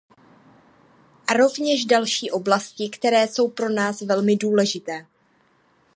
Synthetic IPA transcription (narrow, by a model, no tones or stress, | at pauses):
aɾo̞vɲɛʒdalʃiːʔo̞blascɪkt̪ɛɾɛːso̞wpɾo̞naːsvɛlmɪduːlɛʒɪt̪ɛː